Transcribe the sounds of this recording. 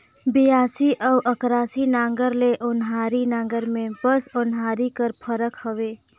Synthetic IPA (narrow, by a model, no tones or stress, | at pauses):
bijaːsiʔɔʊʔəkɾaːsinãːŋɡəɾleʔʊnɦaːɾinãːŋ̆ɡəɾmẽbəsʊnɦaːɾikəɾpʰəɾəkhəʋeː